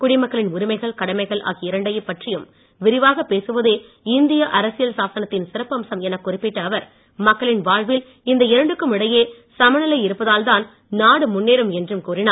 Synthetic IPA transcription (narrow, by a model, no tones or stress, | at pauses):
kʊɽɪmɐkːɐɭɪnʊɾɪmɐɪɣɐɭkɐɽɐmɐɪɣɐɭʔa̰ːɣiɪɾɐɳɖɐjɐpːɐʈrɪjɯm | ʋɪɾɪʋaːɣɐpeːsɯʋɐðe | ɪnd̪ɪjɐʔɐɾɐsɪjɐlsaːsɐnɐt̪ːɪnsɪɾɐpːɯɐmsɐmɛnɐkːʊrɪpːɪʈːɐːʋɐɾ | mɐkːɐɭɪnʋaːɻʋɪl | ɪnd̪ɐɪɾɐɳɖɯkːɯmɪɽɐjeː | sɐmɐnɐlɐɪɪɾɯpːɐðaːld̪aːn | naːɽɯmʊnːeːɾɯmɛndrɯmkuːrɪnaː